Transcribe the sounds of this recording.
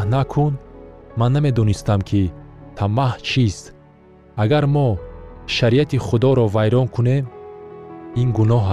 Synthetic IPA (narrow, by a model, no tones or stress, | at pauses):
nakʰunmanːame̞d̪ɔnist̪amkʰit̪ʰamaht͡ʃʰist̪ | aɡaɾmɔʃaɾiat̪iχud̪ɔɾɔvajɾɔnkʰunem | inɡunɔɦa